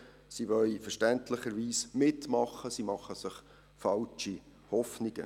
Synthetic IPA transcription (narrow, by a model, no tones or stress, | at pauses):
siʋœlfəɾʃtɛntʰləχəɾʋiːsmɪtmɑχːəsimɑχːəsɪχ | fɑlt͡ʃi | hɔfniɡ̥ə̰